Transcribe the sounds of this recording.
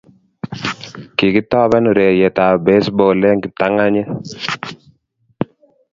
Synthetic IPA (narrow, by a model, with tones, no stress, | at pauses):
ki˨kɪ˦tɔ˦bɛ˦nʊ˨ɾɛ˨jɛ˨ta˨be˦sbo˨lɛ˦ŋɡɪ˨ta˦ŋa˦ɲe˦